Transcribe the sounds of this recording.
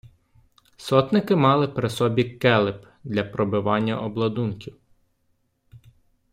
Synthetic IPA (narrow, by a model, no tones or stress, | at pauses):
sɔt̪nɪkɪmɑlˠɪpɾɪsɔbʲikɛlˠɪp | d̪lʲɐpɾɔbɪʋɑnʲːɐʔɔblˠɐd̪unkʲiw